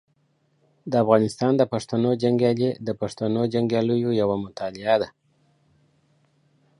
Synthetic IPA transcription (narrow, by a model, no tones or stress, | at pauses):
d̪əafɣɑnɪst̪ɑnd̪əpaʂt̪anod͡ʒaŋɡjɑled̪əpaʂt̪anod͡ʒaŋɡjɑləjojawamʊt̪ɑlɪad̪a